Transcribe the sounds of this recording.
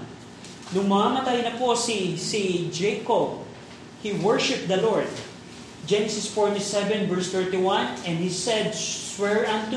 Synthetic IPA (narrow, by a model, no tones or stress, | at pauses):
nʊŋmaamɐt̪ajnɐpo̞sisid͡ʒɛjkob̚ | hiwɛɹʃɪp̚d̪ɐloɹd̪̚ | d͡ʒɛnɛsɪsfɔɹt̪isɛvɛ̃nvɛɹst̪ɛɹt̪iwɐ̃nɛ̃nd̪hisɛd̪̚swɛɹɐ̃nt̪